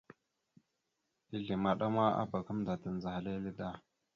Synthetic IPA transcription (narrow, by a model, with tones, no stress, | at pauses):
i˦ɮi˨ma˨ɗa˦ma˦a̰˦ba˨ka˦mda˨tə˨n˨za˨ha˨le˦li˦da˦˨